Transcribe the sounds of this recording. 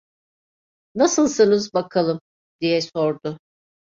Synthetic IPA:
nasɯlˠsɯnɯzbakʰalˠɯm | d̪̥ijɛso̞ɾd̪ʊ

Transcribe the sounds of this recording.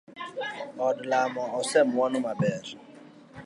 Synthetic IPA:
ɔdʊlamɔɔsɛm̩wɔnʊmabɛɾʊ

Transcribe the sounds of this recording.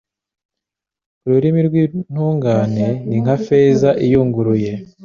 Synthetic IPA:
uɾuɾimiɾɡwin̥huːŋɡaːne̞niŋ̥hafe̞ːzaʔijuːŋɡuɾuje̞

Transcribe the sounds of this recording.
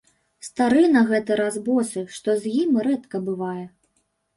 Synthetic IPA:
st̪aɾɨnɐɣɛt̪ɨɾazbɔsɨʂt̪ɔzʲjimɾɛt̪kɐbɨvajɛ

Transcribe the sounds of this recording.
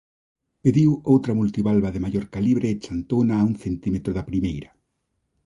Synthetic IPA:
peðiwowt̪ɾɐmult̪iβalβaðemajoɾkaliβɾeːt͡ʃant̪onaːuŋθent̪imet̪ɾoðapɾimejɾɐ

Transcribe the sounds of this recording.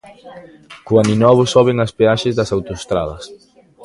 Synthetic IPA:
kuaninɔβosɔβeŋɐspeaʃezðɐsawt̪ost̪ɾa̰ðɐ̰s

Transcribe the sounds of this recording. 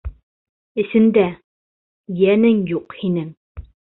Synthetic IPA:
ɘ̆sɘ̆nd̪æ | jænɘŋjuqhinɘŋ

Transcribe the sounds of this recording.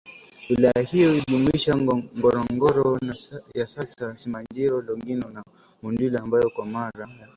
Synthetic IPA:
ilajahijɔiʄumuiʃaŋɡɔɾɔŋɡɔɾɔnajasasasimand͡ʒɛɾɔlɔŋɡinɔna | mundilaambajɔkwamaɾaja

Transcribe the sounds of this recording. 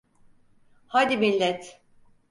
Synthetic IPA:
haːd̪imilʲːɛt̪

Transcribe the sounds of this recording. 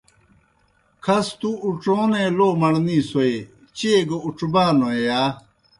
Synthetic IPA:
kʰɐst̪uːʈ͡ʂoːnẽːloːmɐɽniːsoe | t͡ɕeːɡɐuʈ͡ʂbaːnojaː

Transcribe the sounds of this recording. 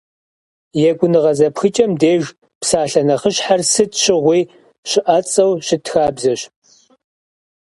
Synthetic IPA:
jɛɡʷʊnɨʁɐzɐpxɨt͡ʃʼɐmdeːʒ | psaːɬɐnɐχəɕħarsɨtɕɪʁʷiː | ɕɪʔɐt͡sʼɐwɕɪtxaːbzɐɕ

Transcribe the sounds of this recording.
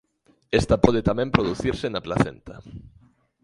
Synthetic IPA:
est̪ɐpɔð̞et̪amɛ̃mpɾoðuθiɾsɪnaplaθḛnt̪ɐ

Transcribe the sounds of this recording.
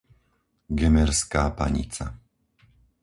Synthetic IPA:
ɡɛmɛɾskaːpa̰ɲḭt͡sa

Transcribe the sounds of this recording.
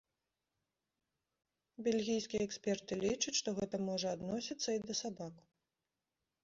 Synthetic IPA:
bʲelʲɣʲijskʲijɛɛksʲpʲɛrt̪ɨlʲit͡ʂut͡sʲʂt̪ɔɣɛt̪ɐmɔʐɐad̪nɔsʲit̪sːɐid̪ɐsabak

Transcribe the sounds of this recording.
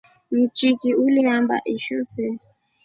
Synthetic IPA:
m̩t͡ʃikiuliamba̰ʔiʃɔsɛ

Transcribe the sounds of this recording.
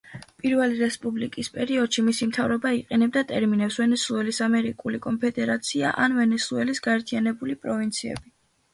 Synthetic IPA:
pʼiɾvɛliɾɛspʼublikʼispʼɛɾiɔd̪ʃimisimt̪ʰavɾɔbaiqʼɛnɛb̚d̪at̪ʼɛɾminɛpsvɛnɛsuɛlisamɛɾikʼulikʼɔmpʰɛd̪ɛɾat̪sʰia̰ʔa̰nvɛnɛsuɛlisɡaɛɾt̪ʰianɛbulipʼɾɔvint̪sʰiɛ̰bi

